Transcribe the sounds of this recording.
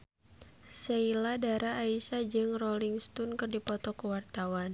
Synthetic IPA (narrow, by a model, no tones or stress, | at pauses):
seiladaɾaːisad͡ʒɨŋrɔliŋst̪unkɨrdipɔt̪ɔkəwart̪awan